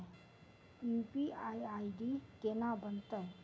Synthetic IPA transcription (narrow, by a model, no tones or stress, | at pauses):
jupiajaiɖikenabənt̪ə